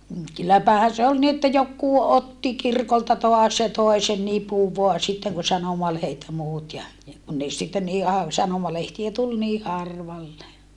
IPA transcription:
m̩ kylːæpæhæn̞ se ol ni etːæ jokːuː otːi kirkoltɑ toɑs jɑ toe sen nipuʋ ʋoɑ sitːeŋ kun sɑnomɑlehet jɑ muːt jɑ jɑ kun ne sitːen niː ɑʋ sɑnomɑlehtiæ tul niː hɑrʋɑlːe

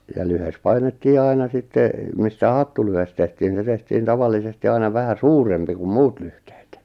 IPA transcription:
jɑ lyhes pɑinetːiː ɑinɑ sitːe mistæ hɑtːulyhes tehtiːn ni se tehtiːn tɑʋɑlːisesti ɑinɑ ʋæhæ suːrempi kum muːt lyhte̥ːt

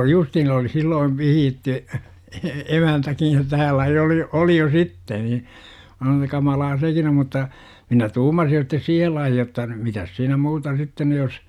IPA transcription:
oli justhiːn oli silːoiʋ ʋihiːtːy e emæntækij jo tæːlːæ jo oli oli jo sitːe ni mæ sɑnoːn etːæ kɑmɑlɑː sekin o mutːɑ minæ tuːmɑsij jo sitːes siːhel lɑihi jotːɑ mitæs siːnæ muːtɑ sitːen ny jos

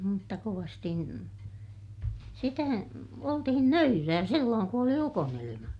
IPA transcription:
mutːɑ koʋɑsti sitæ oltihin nøyræː silːoːŋ ku oli ukonilimɑ

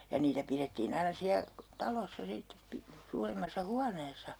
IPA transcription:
jɑ niːtæ piretːiːn ɑinɑ siæ tɑlosːɑ sitːep pi suːremːɑsːɑ huɑneːsɑ

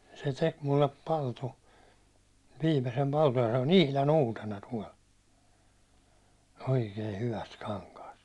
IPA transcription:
se tek mulːep pɑltu ʋiːmesem pɑltuj jɑ se on ihlɑn uːtenɑ tuɒl oikeː hyʋæst kɑŋkɑːst

